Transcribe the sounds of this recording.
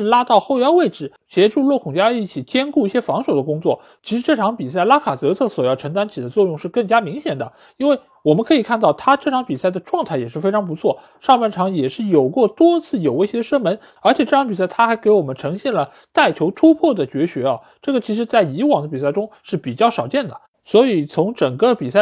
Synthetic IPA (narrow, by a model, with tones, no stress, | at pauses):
ʂɻ̩˥˩˧la˥t̪ɑ˥˧ʊxo˥˧ʊjɑ˥˧ʊwe˥˩ɪʈ͡ʂɻ̩˨˩ | ɕjɛ˧˥ʈ͡ʂu˥˧lwɔ˥˩kʰʊ˨˩ŋt͡ɕja˥˧i˥˩t͡ɕʰi˨˩t͡ɕjɛ˥nku˥˧i˥˩ɕjɛ˥fɑ˧˥ŋʂo˨˩ʊd̪ə˦kʊ˥ŋt͡swɔ˥˩ | t͡ɕʰi˧˥ʂɻ̩˧˥ʈ͡ʂɤ˥˩ʈ͡ʂʰɑ˧˥ŋpi˨˩sa˥˩ɪla˥kʰa˨˩t͡sɤ˧˥t̪ʰɤ˥˩swɔ˨˩jɑ˥˩ʊʈ͡ʂʰɤ˧˥ŋt̪a˥nt͡ɕʰi˨˩d̪ə˦t͡swɔ˥˧jʊ˥˧ŋʂɻ̩˥˧kɤ˥˩ŋt͡ɕja˥mi˧˥ŋɕjɛ˨˩nd̪ə˦ | i˥nwe˥˩ɪ | wɔ˨˩mə˦nkʰɤ˧˥i˨˩kʰa˥˧nt̪ɑ˥˩ʊt̪ʰa˥ʈ͡ʂɤ˥˩ʈ͡ʂʰɑ˧˥ŋpi˨˩sa˥˩ɪd̪ə˩ʈ͡ʂwɑ˥˧ŋt̪ʰa˥˩ɪjɛ˨˩ʂɻ̩˥˩fe˥ɪʈ͡ʂʰɑ˧˥ŋp̬u˧˥t͡sʰwɔ˥˩ | ʂɑ˥˧ŋpa˥˩nʈ͡ʂʰɑ˧˥ŋjɛ˨˩ʂɻ̩˥˩jo˨˩ʊkwɔ˥˩t̪wɔ˥t͡sʰɹ̩˥˩jo˨˩ʊwɕɛ˧˥ə˧ʂə˥mə˧˥n | ə˞˧˥t͡ɕʰjɛ˨˩ʈ͡ʂɤ˥˩ʈ͡ʂʰɑ˧˥ŋp̬i˨˩s̬a˥˩ɪt̪ʰa˥xa˧˥ɪke˧˥ɪwɔ˨˩mə˦nʈ͡ʂʰɤ˧˥ŋɕjɛ˥˩nlə˩ | t̪a˥˩ɪt͡ɕʰjo˧˥ʊt̪ʰu˥pʰwɔ˥˩d̪ə˩t͡ɕɥɛ˧˥ɕɥɛ˧˥ɐ˧ | ʈ͡ʂɤ˥˩ɡə˩t͡ɕʰi˧˥ʂ̬ɻ̩˧˥t͡sa˥˩ɪi˧˥wɑ˨˩ŋd̪ə˦p̬i˨˩s̬a˥˩ɪʈ͡ʂʊ˥ŋʂɻ̩˥˩pi˨˩t͡ɕjɑ˥˩ʊʂɑ˨˩ʊt͡ɕjɛ˥˩nd̪ə˩ | swɔ˧˥i˨˩t͡sʰʊ˧˥ŋʈ͡ʂɤ˨˩ŋkə˧pi˨˩sa˥˩